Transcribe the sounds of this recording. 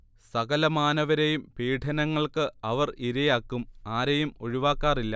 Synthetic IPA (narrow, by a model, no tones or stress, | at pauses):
sɐɣɐlɐmaːnɐʋɐɾejumpiːʈʰɐnɐŋːɐɭkɨɐʋɐriɾɐjaːkːumaːɾejumo̞ɻiʋaːkːaːrilːɐ